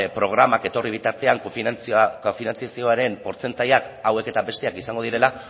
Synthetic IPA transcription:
pɾo̞ɣ̞ɾamake̞t̪o̞riβ̞it̪aɾt̪e̞aŋkokofinant͡siasio̞aɾe̞mpo̞ɾt͡se̞nt̪ajakawe̞ke̞t̪abe̞st̪e̞akisaŋɡo̞ð̞iɾe̞la

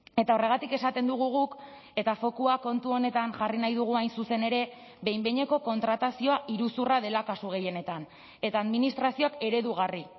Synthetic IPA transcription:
e̞t̪ao̞re̞ɣ̞at̪ike̞sat̪e̞nd̪uɣ̞uɣ̞uk | e̞t̪afo̞kuako̞nt̪uo̞ne̞t̪anʝarinajðuɣ̞uajnsuse̞ne̞ɾe̞ | βe̞jmbe̞ɲe̞ko̞ko̞nt̪ɾat̪asio̞aʔiɾusurað̞e̞lakasuɣ̞e̞je̞ne̞t̪an | e̞t̪aːðminist̪ɾasio̞ake̞ɾe̞ðuɣ̞ari

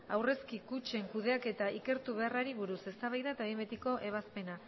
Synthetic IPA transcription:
awre̞skikut͡ʃe̞ŋkuðe̞ake̞t̪aike̞ɾt̪uβ̞e̞araɾiβ̞uɾuse̞st̪aβajðaet̪ambe̞t̪iko̞ʔe̞β̞aspe̞na

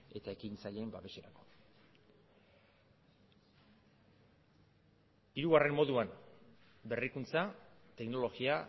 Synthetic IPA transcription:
e̞t̪ae̞kint͡saʎembaβe̞ʃe̞ɾako̞̥ | iɾuɣare̞mːo̞ðuan | be̞rikunt͡sat̪e̞kno̞lo̞ɣia

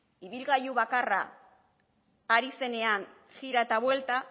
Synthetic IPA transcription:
iβ̞ilɣajuβakara̰ | ɾise̞ne̞an | xiɾaet̪aβwe̞lt̪a

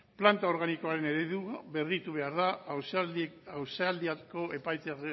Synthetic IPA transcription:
plant̪ao̞ɾɣaniko̞aɾe̞ne̞ɾeðuβe̞rit̪uβe̞aɾða | awseald̪iako̞ʔe̞pajt̪e

